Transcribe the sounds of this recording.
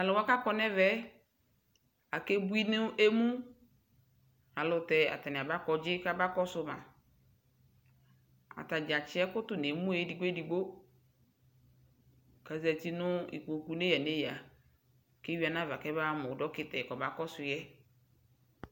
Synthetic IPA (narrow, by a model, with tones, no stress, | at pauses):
a˨lʊ˨wa˦ka˦kɔ˦nɛ˦vɛ˦ | a˨ke˦bu˦i˦nʊ˦e˦mũ˦ | a˨lʊ˦tɛ˨a̰˨ta˨nɛ˨a˨ba˦kɔ˦d͡ʒɪ˦ka˦ba˦kɔ˦sʊ˦ma̰˨ | a̰˨ta˨d͡ʒa˨t͡ʃɪ˦ɛ˦kʊ˦tʊ˦ne˨mũ˦e˨˦di˨ɡ͡bdi˨ɡ͡bo˦ | ka˨zɛ˨ti˦nʊ˦ḭ˨ko˨ku˨ne˦ja˨ne˦ja˨ | ke˦wi˦a˨nã˦va˨kɛ˦ba˦mʊ˨dɔ˦kɪ˦tɛ˨kɔ˨ba˦kɔ˦sʊ˨jɛ˦